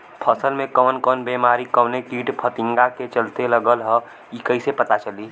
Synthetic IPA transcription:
pʰəsəlmẽkɔːnkɔːnbeːmaːɾikɔːneʈiːʈpʰət̪ɪ̃ŋɡaket͡ʃəlt̪eləɡəlɦə̃ | ikəisepət̪at͡ʃəliː

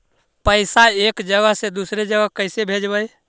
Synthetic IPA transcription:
pəɪsaekd͡ʒəɡəɦsed̪usɾed͡ʒəɡəɦkəjsebʱed͡ʒbəj

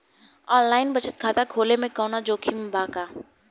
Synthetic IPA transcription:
ɔːnlaːɪnbɐt͡ʃət̪̚kʰaːt̪akʰoːlemẽkɔːnad͡ʒoːkʰimẽbaːkaː

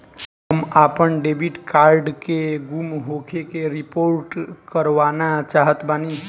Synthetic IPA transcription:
ɦəmapənɖebʱiʈkaɾɖkeɡumɦokʰekeɾipoɾʈkəɾʋanat͡ʃaɦət̪bani

